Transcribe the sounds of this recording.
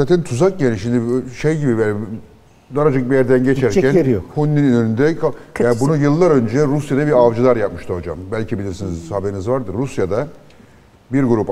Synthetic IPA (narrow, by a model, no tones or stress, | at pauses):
zaːt̪ʰɛnt̪ʰuzak̚janiʃimd̪iʃejɟibija | d̪aɾad͡ʒɯk̚bijæɾd̪ænɟet͡ʃʰæɾʲʰænɾhunːinynyɾynd̪ɛkʰaaːnbunujɯlˠːaɾø̞nd͡ʒɛɾusjad̪abiɾavd͡ʒɯlˠaɾjap̚mɯʃt̪ʰɯho̞d͡ʒa̰mbælʲcʰibilʲiɾsinizabeinizvaɾd̪ɯɾːusjad̪a | biɾɡuɾup